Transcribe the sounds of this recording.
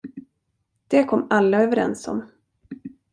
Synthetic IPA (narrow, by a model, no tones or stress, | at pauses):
d̪̥ɛkʰɔmːalːaøːvəɾɛ̰nsɔ̰m